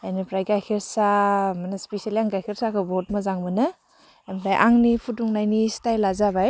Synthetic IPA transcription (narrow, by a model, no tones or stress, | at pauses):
anipɾajɡajkʰiɾsamanaspesialiaŋɡajkʰiɾsakʰɯbɔt̚mazaŋmɯnɯ | emɾajʔaŋnipʰutuŋnajnistajlazabaj